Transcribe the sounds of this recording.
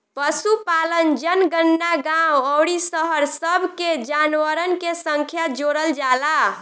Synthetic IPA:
pəsupalənd͡ʒənɡənːaɡãwəwɽisəɦəɾsəbʱked͡ʒanʋəɾənkesəŋkʰjad͡ʒoɽəld͡ʒala

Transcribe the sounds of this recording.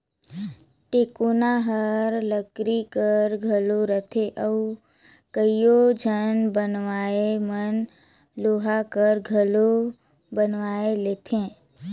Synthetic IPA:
ʈeːkunaɦəɾləkɾikəɾɡʱəloɾət̪ʰeʔəu | kəijod͡ʒʱənbənwaːemən | loːɦakəɾɡʱəlo | bənʋaːeleːt̪ʰẽː

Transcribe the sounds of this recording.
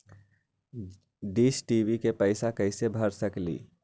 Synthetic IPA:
ɖiːsʈibikepəɪsakəɪsebʱəɾsəklḭː

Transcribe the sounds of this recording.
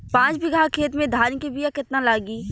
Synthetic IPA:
pãːt͡ʃbɪɡaːkʰeːt̪mẽd̪ʱaːnikebijakɪt̪nalaːɡiː

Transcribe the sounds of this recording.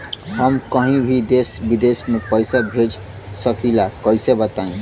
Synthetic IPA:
ɦəmkəɦĩbʱid̪esbid̪esmepəjsabʱed͡ʒ | səkilakəjsebət̪aĩ

